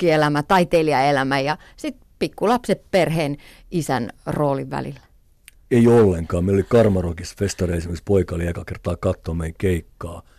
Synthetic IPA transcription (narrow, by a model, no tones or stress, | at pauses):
ielæmæt̪ɑit̪eːliɑelæmæjɑ | sit̪̚pikːulɑpsepperheːn | ʔisæ̰nroːliʋʋæ̰lḭlːæ̥ | eiolːeŋkɑːmeilolikɑrmɑrokisfest̪ɑriesimekspoikɑliɑkɑkert̪ɑːkɑt̪ːoːmeikeikːɑː